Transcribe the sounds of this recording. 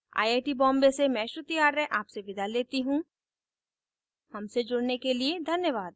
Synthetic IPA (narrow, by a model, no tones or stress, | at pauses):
a̰ːiaːʈibɔ̃ːmbesemɛ̃ːʃɾʊt̪ijaːɾɛʔaːpseʋɪd̪ʱaleːt̪iɦũ | hɐmsed͡ʒʊɽnekelied̪ʱɐnjəʋaːd̪̚